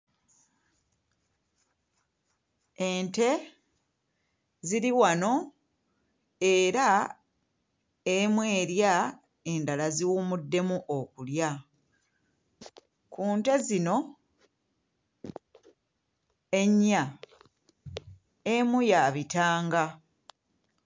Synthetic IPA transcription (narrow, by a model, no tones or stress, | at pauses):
eːnte̞ | ziɾiwano̞ | e̞ɾa | emwe̞ːɾja | e̞ndalaziwumudːe̞muʔokulja | kuːnte̞zino̞ | e̞ɲːa | emujaβitaːŋɡa